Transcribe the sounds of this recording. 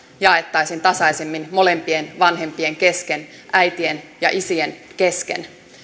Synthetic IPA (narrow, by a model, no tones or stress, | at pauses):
jɑe̞t̪ːɑjsint̪ɑsɑisemːinmo̞le̞mpie̞nʋɑnɦe̞mpie̞ŋke̞ske̞n | ʔæjt̪ie̞njɑ̰ʔisienke̞skḛn